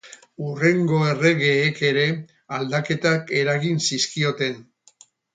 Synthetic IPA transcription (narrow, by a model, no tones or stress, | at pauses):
ure̞ŋɡo̞e̞re̞ɣe̞ːke̞ɾe̞ | ald̪ake̞t̪ake̞ɾaɣinsiskio̞t̪e̞n